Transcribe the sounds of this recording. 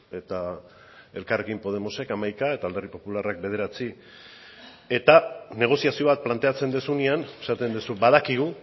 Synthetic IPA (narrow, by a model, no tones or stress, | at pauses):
e̞t̪a | e̞lkare̞kimpo̞ð̞e̞mo̞se̞kamajkae̞t̪aːld̪eripo̞pularak̚be̞ð̞e̞ɾat͡si | et̪ane̞ɣ̞o̞siasio̞βat̪̚plant̪e̞at͡se̞nd̪esuniane̞sat̪e̞nd̪esubað̞akiɣ̞u